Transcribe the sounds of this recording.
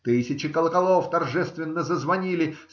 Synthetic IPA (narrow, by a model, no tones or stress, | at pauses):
t̪ɨsʲɪt͡ɕɪkəlˠəkɐlˠoft̪ɐrʐɛst̪vʲɪnːəzəzvɐnʲilʲɪ